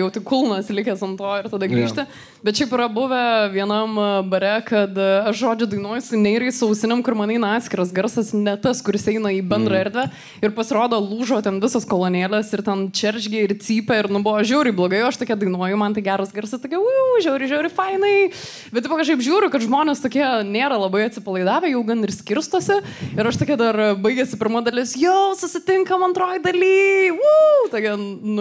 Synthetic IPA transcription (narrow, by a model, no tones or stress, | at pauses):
jɛʊt̪ɪkʊlˠnɐslʲɪkʲɛsɐnt̪oːɪrt̪ɐd̪ɐɡɾʲiːʃʲt̪ʲɪ | bʲɛt̪ʃʲɛɪpɪɾɐbʊʋʲɛʋʲiɛnɐmbɐɾʲɛkɐt̪ɐʃʒoːd͡ʒʲʊd̪ɐɪnuɔjʊsʲɪnʲɛɪɾɐɪsʊɐʊsʲɪnʲɛmkʊɾmɐnɛɪnɐɑːt̪ʲsʲkʲɪɾɐsɡɐɾsɐsnʲɛt̪ɐskʊɾʲɪsɛɪnɐiːbʲɛnd̪rɐɛɾʲd̪ʲʋʲɛ | ɪɾpɐsʲɪɾoːd̪oːlˠuːʒoːt̪ʲɛnʋʲɪsɐskoːlˠoːnʲeːlʲɛsɪrt̪ʲɛnt͡ʃʲɛrʲʒʲɡʲeːɪrt͡s̪ʲiːpʲɛɪɾnʊbʊʋoːʒʲɛːɾʲɪblˠoːɡɐɪjɛʊɐʃt̪oːkʲiɛd̪ɐɪnuɔjʊmɐnt̪ɐɪɡʲæːɾɐsɡʲɐɾʲsɐst̪oːkʲɛuːʒʲɛʊɾʲɪʒʲɛɾʲɪfɐɪnɐɪ | bʲɛt̪tɪpʋɐkɐʃkɐɪpʒʲuːɾʲʊkɐt̪ʒmoːnʲɛːst̪oːkʲiɛnʲeːɾɐlˠɐbɐɪɐt̪ʲsʲɪpɐlˠɐɪd̪ɑːʋʲeːjɛʊɡɐnɪrsʲkʲɪɾst̪oːsʲɪɪɾɐʃt̪oːkʲiɛd̪ɐrbɐɪɡʲɛsʲɪpʲɪɾmɐd̪ɐlʲɪsjɛʊsʊsʲɪt̪ʲɪŋkɐmɐnt̪roːjd̪ɐlʲiːut̪okʲɛnnʊ